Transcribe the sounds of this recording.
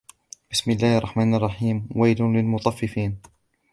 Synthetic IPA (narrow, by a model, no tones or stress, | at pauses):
b̥ɪsmɪlːaːhʔɑɾˤrˤːɑħmaːnɑrˤːɑħiːmwajlʊlɪlmʊt̪ˤɑfːɪfiːn